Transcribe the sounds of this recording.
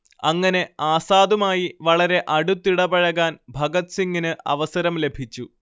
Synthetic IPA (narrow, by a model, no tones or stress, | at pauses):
ɐŋːɐne̞aːsaːðumaːjiʋɐɭɐɾe̞ʔɐɽut̪ːiɽɐbɐɻɐɣaːnbʱɐɡɐt̪siŋːinɨʔɐ̰ʋɐsɐɾɐmle̞bʱit͡ɕːu